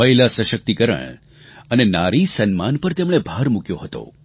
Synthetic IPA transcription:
əilasə̃ʃək̚t̪ikəɾə̰ɳ | ənenaɾisənmanpəɾt̪emɽ̃ebʱaɾmukjoɦət̪o̰

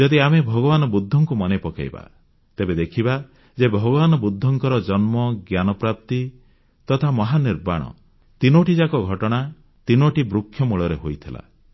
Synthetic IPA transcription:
d͡ʒɔd̪iamebʱɔɡɔbanɔbud̪ʱːɔŋkumɔnepɔka̰jba̰ | t̪ebed̪ekʰiba | d͡ʒebʱɔɡɔbanɔbud̪ʱːɔŋkɔɾɔd͡ʒɔnmɔɡjanɔpɾap̚t̪i | t̪ɔt̪ʰamɔɦaniɾba̰ɽ̃ɔ̰ | t̪inoʈid͡ʒakɔɡʱɔʈɔɽ̃a | t̪inoʈibɾukʰːjɔmuɭɔɾeɦojt̪ʰila̰

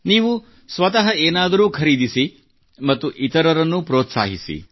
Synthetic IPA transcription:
niːʋu | sʋɐt̪ɐɦɐeːnaːd̪ɐɾuːkʰɐɾiːd̪isi | mɐt̪ːuʔit̪ɐɾɐɾɐnːupɾoːt̪sa̰ːɦisḭ

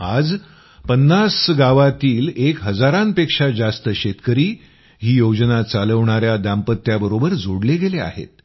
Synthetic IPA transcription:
ad͡z | pənːasɡaʋat̪iːlekɦəd͡zaɾanpekʂad͡zast̪əɕet̪kəɾiː | ɦiːjod͡znat͡saləʋɳaɾjad̪ampət̪ːjabəɾobəɾd͡zʱoɽleɡelea̰ɦḛt̪̚

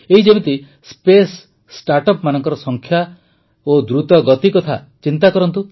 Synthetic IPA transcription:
eɦid͡ʒebet̪i | spesː | ʈaɾʈɔpmanɔŋkɔɾɔsɔŋkʰja | od̪ɾut̪ɔɡɔt̪ikɔt̪ʰa̰ | t͡ʃint̪akɔɾɔnt̪u

